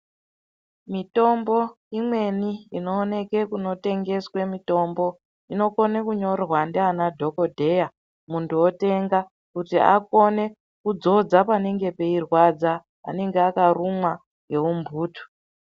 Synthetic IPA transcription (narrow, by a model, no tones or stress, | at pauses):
mito̞mbo̞ | imwe̞niino̞ːne̞ke̞kuno̞te̞ŋɡe̞swe̞mito̞mbo̞ | ino̞ko̞nekuɲo̞rrwandeanadʱo̞ko̞dʱe̞ja | muntuo̞te̞ŋɡa | kutia̰ko̞ne̞ | kud͡zo̞d͡zapane̞ŋɡe̞pe̞irwad͡za̰ː | ne̞ŋɡeakarumwa | ŋɡe̞umbʱuːtu̥